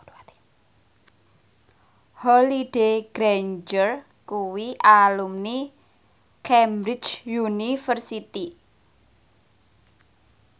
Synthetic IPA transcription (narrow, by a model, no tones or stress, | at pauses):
hɔliɖ̥eɡ̥ɾand͡ʒər | kuwiʔalumni | kʰɛmbɾɪt͡ʃjunifərsit̪i